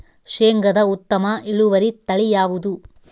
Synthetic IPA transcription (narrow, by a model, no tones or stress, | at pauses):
ʂeːŋɡɐd̪ɐut̪ːɐmɐʔiɭuʋɐɾit̪ɐɭijaːʋud̪u